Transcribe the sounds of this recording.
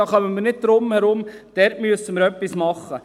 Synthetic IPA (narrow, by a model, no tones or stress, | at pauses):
ɑχœnəməɾnɪt̚d̥̪ɾʊmhɛɾʊmd̥ɛːɾtmyəsəməɾœpːismɑχːə